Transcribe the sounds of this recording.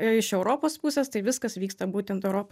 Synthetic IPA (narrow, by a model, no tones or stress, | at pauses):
ɪʃɛʊɾoːpoːspʊsʲɛːst̪ɐɪʋʲɪskɐsʋʲiːkst̪ɐbuːt̪ʲɛnt̪ɛʊɾoːp